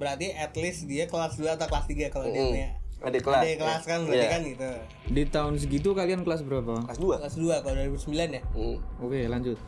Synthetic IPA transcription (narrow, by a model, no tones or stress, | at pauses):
bəɾart̪iʔɛt̪lɪsdiakəlasduaːt̪awkəlast̪iɡakalodiaadekldekəlaskanbəɾat̪ikanɡit̪u | dit̪aʊns̬ɡit̪̬ukaliankəlas̬bəɾapasduaklasduakaoduaɾibusəmbilanjaokelaɲd͡ʒʊt̪̚